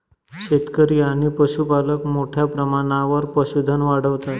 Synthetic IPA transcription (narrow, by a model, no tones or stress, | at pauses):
ɕet̪kəɾiaɽ̃ipəɕupaləkmoʈʰjapɾəmaɽ̃aʋəɾpəɕud̪ʱənʋaɽ̤əʋt̪at̪